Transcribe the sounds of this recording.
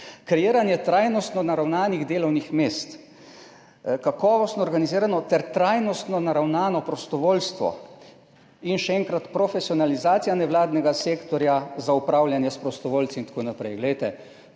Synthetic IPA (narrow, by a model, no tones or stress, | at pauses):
kɾɛjiːɾanjɛt̪ɾaːjnɔst̪nɔnaɾawnaːniɣd̪eːlɔwnixmeːst̪ | kakɔːʋɔst̪nɔɾɡaniziːɾanɔt̪ɛɾt̪ɾajnɔst̪nɔnaɾawnaːnɔpɾɔst̪ɔʋoːlst̪ʋɔ̰ | inʃɛɛŋkɾat̪pɾɔfɛsiɔnalizaːt̪sijanɛʋwlaːd̪nɛɡaseːkt̪ɔɾjazaupɾaːwljanjɛspɾɔst̪ɔʋoːlt̪siint̪ḁkoːnapɾɛjɡlɛjt̪ɛ